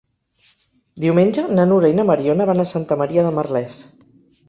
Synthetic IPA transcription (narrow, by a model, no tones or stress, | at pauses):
d̪iwmenʲd͡ʒənənuɾainəməɾionəβanəsant̪əməɾiəðəmərlɛs